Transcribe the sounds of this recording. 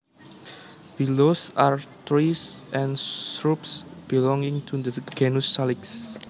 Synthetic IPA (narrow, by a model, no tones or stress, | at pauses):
filosaɹt̪ɾisʔɛ̃ntɾupsb̥ilɔ̃ŋɪ̃ŋt̪ʰud̪əɡɛnusaliks